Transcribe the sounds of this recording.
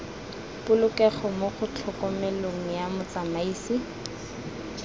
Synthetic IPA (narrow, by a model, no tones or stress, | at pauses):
pʊlʊkɛχɔmoχʊt͡ɬʰɔkɔmɛloŋ̩jamʊt͡samaiːsi